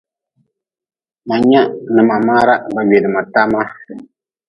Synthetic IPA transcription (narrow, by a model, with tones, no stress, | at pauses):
ma˨ɲɛ˦nɨ˨ma˨maː˦ɾa˦ba˨ɥe˨dɨ˨ma˨ta˦ma˦